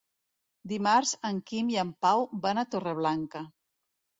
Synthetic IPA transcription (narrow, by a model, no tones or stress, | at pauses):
d̪imaɾzəŋkimiəmpawbanat̪oreβ̞laŋkə